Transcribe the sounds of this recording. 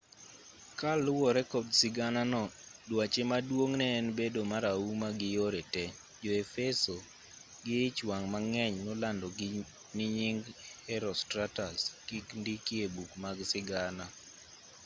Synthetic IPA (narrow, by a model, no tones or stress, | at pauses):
kalʊwɔɾɛkɔdsɪɡananɔdwat͡ʃemadwoŋnɛːnbedomaɾaumaɡɪjoɾɛtɛ | d͡ʒɔefɛso | ɡɪɪt͡ʃwaŋmaŋɛɲnolandɔɡ | nɪɲɪŋɡhɛɾɔstɾataskikndikiebukmaɡsɪɡana